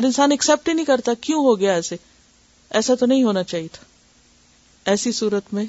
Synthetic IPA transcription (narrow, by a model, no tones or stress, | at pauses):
ɐɾɪ̃nsaːnɐksɛːp̚ʈinɐɦĩkɐɾt̪akjũɦoɡɐjaɛːse | ɛːsat̪onɐɦĩɦoːnat͡ʃaːɦiet̪ʰḁ | ɛːsisuːɾət̪mẽ